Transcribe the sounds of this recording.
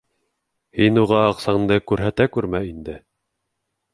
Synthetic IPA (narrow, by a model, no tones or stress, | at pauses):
hinuʁɑːqsɑɴnd̪ɤkʉɾɦæt̪ækʉɾmæind̪ɘ